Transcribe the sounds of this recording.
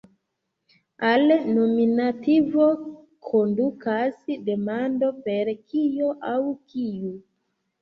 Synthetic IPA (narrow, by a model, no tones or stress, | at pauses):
alnominativo | kʰondukʰasdemando̞peɾkijoʔawkʰiju